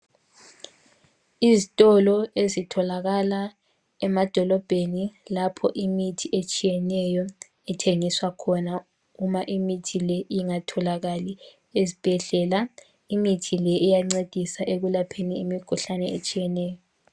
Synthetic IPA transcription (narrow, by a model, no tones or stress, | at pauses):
izitʼɔlɔezitʰɔlaɣala | ɛmad̥ʱɔlɔb̥ʱenilapʰɔʔimitʰiʔet͡ʃʼijɛnɛjɔ | ɛtʰeŋiswakʰɔna | umaʔimitʰilɛiŋatʰɔlaɣali | ezib̥ʱɛɮɛːla | imitʰilɛʔijaŋ͡ǀed̥ʱisaʔeɣulapʰeniemikʰuɬanɛet͡ʃʼijɛnɛːjɔ